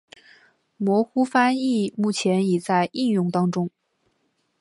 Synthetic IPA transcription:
mwɔ˧˥xu˥fa˥ni˥˩mu˥˩t͡ɕʰjɛ˧˥ni˨˩t͡sa˥˧ɪʔi˥˧njʊ˥˩ŋt̪ɑ˥ŋʈ͡ʂʊ˥ŋ

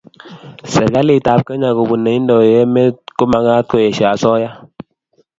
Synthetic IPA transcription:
sɛ˨ɡa˦li˨ta˨p̚kə˦ɲa˨ku˨bu˨nːe˨i˦n˦dɔ˨je˦me˦ku˦ma˨ŋa˦t̚ko˨je˨ʃa˨sɔ˦ja˦

